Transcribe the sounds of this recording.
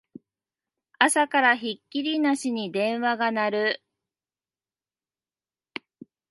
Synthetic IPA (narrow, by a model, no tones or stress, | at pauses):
asakaɾaçikʲːiɾʲinaɕiɲ̟id̪ẽ̞ɰ̃βaɡanaɾɯ̟